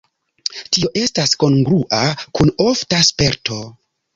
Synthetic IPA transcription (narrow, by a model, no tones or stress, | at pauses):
tio̞ʔe̞stasko̞nɡɾuʔakunoftaspe̞ɾtʰo̞